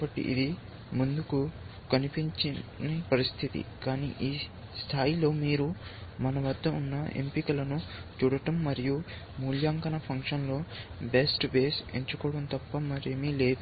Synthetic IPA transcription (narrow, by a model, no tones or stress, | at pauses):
kːbɐʈːḭʔḭd̪i | mund̪uku | kɐnipiɲt͡ʃinepɐɾist̪ʰit̪ḭkaːnḭʔiː | st̪ʰaːjilo̞ːmiːɾumɐnɐʋɐd̪ːɐunːɐʔe̞̰mpikɐlɐnut͡ʃuːɽɐʈɐmːɐɾiju | muːljaːŋkɐnɐpʰɐŋkʂɐnlo̞ːbe̞sʈbe̞ːseɲt͡ʃukɔːɽɐnt̪ɐpːɐmɐɾemiːle̞ːd̪u